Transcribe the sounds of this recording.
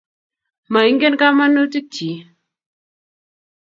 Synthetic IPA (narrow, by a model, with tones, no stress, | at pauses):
ma˨i˦ŋɡe˦nka˦ma˦nːo˦ti˦k̚t͡ʃi˨˦